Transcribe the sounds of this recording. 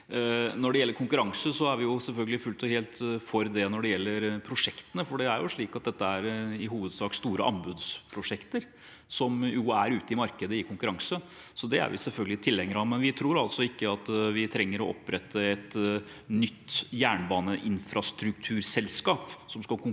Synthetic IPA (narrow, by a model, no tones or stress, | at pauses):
nɔɖɛjɛlːəɾkʰʊŋkʉɾɑŋsəsɔæɾʋɪjʊsɛlfœlɡəlɪfʉlt̪ɔheːlt̪fɔɾd̪ɛnɔɖɛjɛlːəɾpʰɾʊʂɛkt̪ənəfɔɖɛæɾjʊʂɭiːkɑt̪̚d̪ɛt̪ːəæɾɪɦuːʋəd̪sɑːkst̪uːɾə̰ʔɑ̰mbʉːd̪spʰɾʊʂɛkt̪əɾ | sɔmjuæɾʉːt̪əɪmɑɾkəd̪əɪkʰʊŋkʉɾɑŋsə | sɔd̪ɛæ̰ɾʋɪ̰sɛlfœɡəlɪt̪ʰɪlːɛŋːəɾɑmɛnʋɪt̪ʰɾuːɾɑlsɔɪkːəɑt̪ʋɪt̪ʰɾɛŋːəɾɔʔɔ̰pːɾɛt̪ːəɛt̪ | nʏt̪ːjæːɳbɑːnəʔɪnfɾɑst̪ɾʉk̚t̪ʰʉːɾsɛlskɑːpsɔmskɑkʊ